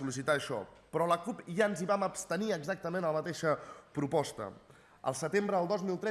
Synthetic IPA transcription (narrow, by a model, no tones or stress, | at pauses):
ulisit̪aːʃɔ̰pɾɔləkupʒaənziβaməpst̪əniəɡzak̚t̪əmẽnələmət̪eʃəpɾupɔst̪ə̰ | ə̰lˠsət̪embɾəðəlˠd̪ɔzmilˠt̪ɾɛ